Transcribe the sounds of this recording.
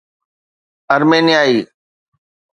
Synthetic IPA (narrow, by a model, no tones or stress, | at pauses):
əɾmeːnɪjaːiː